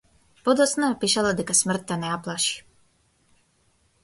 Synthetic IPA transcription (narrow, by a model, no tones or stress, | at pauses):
pɔd̪ɔsnapiʃalad̪ɪkasmr̩t̪ːanaplˠaʃi̥